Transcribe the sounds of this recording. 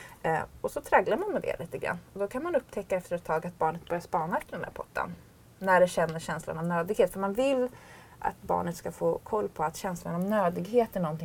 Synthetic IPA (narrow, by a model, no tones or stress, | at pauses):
ɔsɔt̪ʰɾɛɡlaɾmanmɛd̪ɛ̰liːt̪əɡɾa̰nːɔd̪ɔkʰanmanɵpːt̪ʰɛkːaɛft̪əɾɛt̪ʰːɑːɡat̪̚bɑːɳət̪̚bœɾjaʂspɑːnaɛft̪d̪ɛnd̪æ̰ɾpʰɔʈːa̰n | næɖɛɕɛnːəɕɛnsla̰nɔmnøːd̪ɪɡheːt̪fœɾmanvɪlː | ʔa̰t̪̚bɑ̰ːɳət̪skafoːkʰɔlːpʰɔat̪ɕɛnslanɔmnøːd̪ɪɡheːt̪æɳɔnt̪ʰɪ